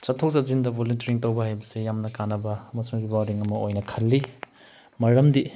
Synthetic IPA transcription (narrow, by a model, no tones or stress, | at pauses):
sɐtʰːɐwzazindɐbʱoluntɐɾiŋtɐwbɐhajbɐsijamnɐkanːɐbɐmɐsmɐɾipodiŋɐmɐojnɐkʰɐlːi | mɐɾɐmdi